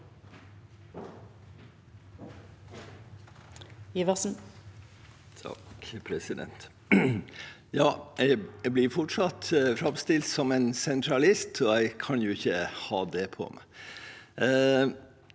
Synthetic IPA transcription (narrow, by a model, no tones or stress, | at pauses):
iʋɑʁsn̩ | t̪ʰɑ̰kpʰɾɛsɪd̪ɛ̰nt̪ | jɑːæɪɪblɪɾfɔʈʂɑt̪fɾɑmst̪ɪlt̪sɔmensɛnt̪ʰɾɑlɪst̪ɔæɪkʰɑnjʊɪçəhɑ̰ːd̪ɛpʰo̰m